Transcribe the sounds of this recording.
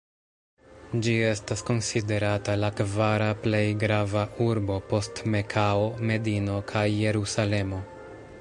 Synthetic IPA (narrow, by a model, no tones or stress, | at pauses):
d͡ʒie̞stasko̞nside̞ɾatalakvaɾaple̞jɡɾavauɾbo̞po̞stme̞kʰao̞me̞dino̞kʰajːe̞ɾusale̞mo̞